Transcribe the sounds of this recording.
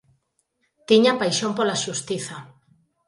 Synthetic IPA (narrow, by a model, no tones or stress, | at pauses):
t̪iɲapajʃompolaʃust̪iθɐ